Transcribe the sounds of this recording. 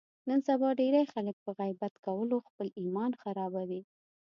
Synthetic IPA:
nənsabɑɖeɾajxalək̚pəɣajbat̪kawəloxpəlimɑnxaɾɑbawi

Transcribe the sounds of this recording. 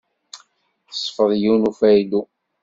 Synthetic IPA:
θəsˤːfəðˤjunufæjd̪u

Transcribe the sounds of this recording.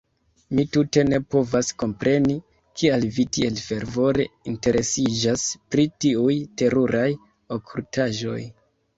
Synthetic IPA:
mitute̞ne̞po̞vasko̞mpɾe̞ni | kʰialvitie̞lfe̞ɾvo̞ɾe̞inte̞ɾʔe̞sid͡ʒaspɾitiujte̞ɾuɾʔaj | o̞kʰultʰaʒo̞̰j

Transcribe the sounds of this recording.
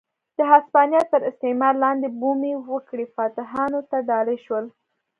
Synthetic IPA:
d̪̥əɦɑspɑnjɑt̪əɾɪst̪emɑɾlɑnd̪ebumiwəkɽifɑt̪ɪɦɑnot̪aɖɑlejʃwəl

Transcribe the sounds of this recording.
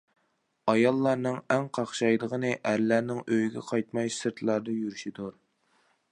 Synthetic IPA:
ɑjɑlˠːɑɾnɨŋɛŋqʰɑχʃɑjd̪əʁənɨʔæɾlæɾnɪŋøjɡʲɛ̰qʰɑjt̪mɑjsɨɾt̪ʰlˠɑɾd̪ɑjyɾyʃid̪uɾ

